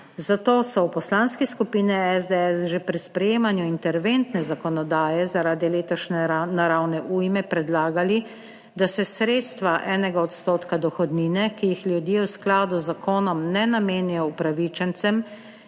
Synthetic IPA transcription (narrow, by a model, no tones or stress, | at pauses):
zat̪oːsɔwpɔslaːnskiskupiːnɛɛzd̪ɛɛsʒepɾispɾɛjeːmanjuint̪ɛɾʋent̪nɛzakɔnɔd̪aːjɛzaɾaːd̪ileːt̪ɔʃnnaɾawnɛʔuːjmɛpɾɛd̪laːɡali | d̪asɛsɾeːt̪st̪ʋaʔɛːnɛɡaɔt̪st̪oːt̪kad̪ɔxɔd̪niːnɛkijixlʲjud̪jewsklaːd̪uzːakoːnɔmnɛnameːnijɔupɾaʋit͡ʃɛnt̪sɛm